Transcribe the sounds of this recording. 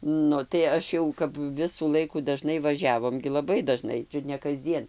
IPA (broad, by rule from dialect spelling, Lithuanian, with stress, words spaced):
ˈnʊ tɐɪ ˈɐʃ jɛʊ kɐp ˈʋʲɪsuː ˈlˠɐɪkuː dɐˈʒnɐɪ ʋɐˈʒʲæːʋoːm ɡʲɪ lˠɐˈbɐɪ dɐˈʒnɐɪ ˈt͡ʃʲʊt nʲɛ kɐzʲˈd͡zʲiɛn